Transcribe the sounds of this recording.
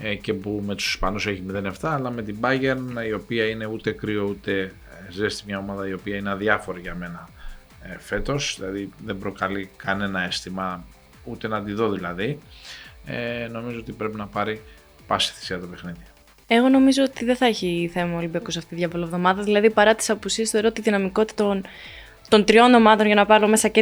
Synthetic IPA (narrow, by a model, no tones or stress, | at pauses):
ce̞pume̞t̪u̥si̥spɐnuse̞çimiðe̞niaft̪ɐːlɐme̞t̪ibɐʝe̞ɾnio̞piɐine̞ut̪e̞kɾio̞ut̪e̞ | zest̪imɲɐo̞mɐðɐio̞piɐinɐðjɐfo̞ɾiʝɐme̞nɐ | fe̞t̪o̞sðilɐðiðe̞mbɾo̞kɐlikɐne̞nɐe̞st̪imɐ | ut̪e̞nɐd̪iðo̞ðilɐði | no̞mizo̞o̞t̪ipɾe̞pinɐpɐɾi | pɐsi̥θi̥siɐt̪o̞pe̞xniði | e̞ɣo̞no̞mizo̞ot̪iðeθɐeçiθe̞mɐolibɐkusɐft̪iðʝɐvolovðo̞mɐðɐðilɐðipɐɾɐt̪i̥sɐpusiest̪oeɾot̪iðinɐmiko̞t̪it̪on | t̪o̞nt̪ɾio̞no̞mɐðo̞nʝɐnɐpɐɾome̞sɐce